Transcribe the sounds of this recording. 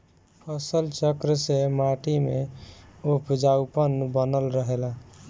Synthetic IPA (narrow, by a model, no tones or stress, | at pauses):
pʰəsəlt͡ʃəkɾsemaʈimḛ | upd͡ʒaupənbənəlɾəɦela